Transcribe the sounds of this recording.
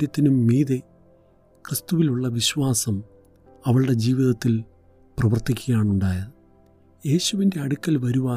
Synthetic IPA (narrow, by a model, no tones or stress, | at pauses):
ɾjɐt̪ːinumːiːðe | krɨst̪uʋiluɭːɐʋiɕʋaːsɐm | ɐʋɐɭɨɽe̞d͡ʑiːʋiðɐt̪ːil | prɐʋɐrt̪ikʲːuɣjaːɳuɳɖaːjɐ | je̞ːɕuʋinde̞ɐɽukʲːɐlʋɐɾuʋaː